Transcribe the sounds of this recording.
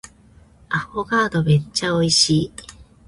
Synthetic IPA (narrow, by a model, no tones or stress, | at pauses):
aɸoɡad̪obet͡ɕaoiɕi